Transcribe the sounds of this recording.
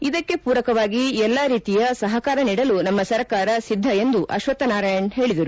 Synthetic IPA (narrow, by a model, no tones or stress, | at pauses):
id̪ɐkːe̞puːɾɐkɐʋaːɡiɛlːaːɾiːt̪ijɐsɐɦɐkaːɾɐniːɽɐlunɐmːɐsɐɾkaːɾɐsid̪ʱːɐe̞nd̪uʔɐ̰ʃʋɐt̪ːɐnaːɾaːjɐɳɦe̞ːɭid̪ɐɾu